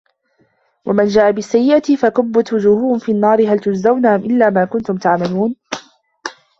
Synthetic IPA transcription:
wʔamand͡ʒaːʔabɪsːajːɪʔat̪ɪfakʊbːʊt̪wʊd͡ʒuːhʊhʊmfiːnːɑːɾɪɦalt̪ʊd͡ʒzawnaʔamʔɪlːaːmaːkʊnt̪ʊmt̪aʕmaluːn

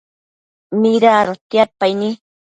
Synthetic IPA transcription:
miɾaːɾot̪japajni

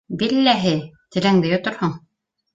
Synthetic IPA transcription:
bilːæɦɘt̪ɘ̆læŋd̪ɘjŏt̪ŏɾhoɴ

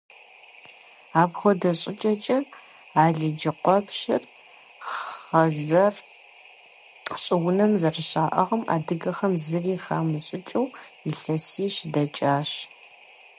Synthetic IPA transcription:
aːbxʷɔdɐɕʼɪt͡ʃʼɐt͡ʃʼɐ | aːɮɨd͡ʒɪqʷɔpʃɪ̰r | ɐzɐr | ɕʼɪwʊnɐmzɐrɨɕʼaːʔɐʁɐma̰ːdɨɡɐxɐmzɨriːxaːmuɕʼɪt͡ʃʼɐwiɬɐsiːɕdɐt͡ʃʼaːɕ

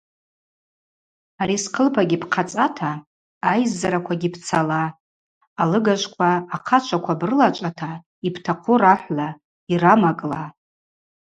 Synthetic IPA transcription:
aɾisqʰəlpʰaɡʲipʰqʰat͡sʼatʰaː | jzːaɾakʷʰaɡʲipʰt͡sʰalaː | lɨɡaʒʷkʷʰaːqʰat͡ʃʷʰakʷʰabrɨlat͡ʃʷʼatʰa | ipʰtʰaqʷʰʊraħʷla | iramakʼla

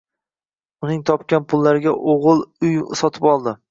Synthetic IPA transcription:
ʊnɪŋt̪ʰɒp̚kʲanpʰʊlˠːaɾɪɡʲaʔoʁɨlˠʊjsɒt̪ʰɪpɒlˠd̪ɪ

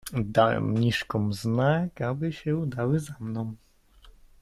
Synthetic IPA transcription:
d̪awɛ̰mɲiʂkɔ̃mznakabɘɕɛud̪awɘzamnɔ̃w̃

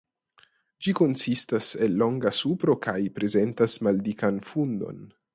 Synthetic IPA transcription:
d͡ʒikonsistase̞lːo̞ŋɡasupɾo̞kʰajpɾe̞ze̞ntasmaldikanfundo̞̰n

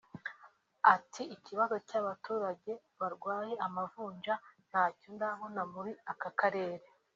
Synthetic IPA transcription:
atʰiːciβazocaβatuːɾaɟe̞ | βaɾɡwaːje̞ʔamavuːɲʒan̥haːcondaβo̞namuɾiakakaɾe̞ːɾe

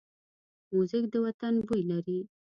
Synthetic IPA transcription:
muzɪk̚d̪əwat̪anbujlaɾi

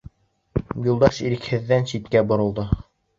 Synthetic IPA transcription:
julˠd̪ɑʃiɾɘ̆khɘ̆ðːænʃit̪kæbŏɾɤ̆lˠd̪ɤ

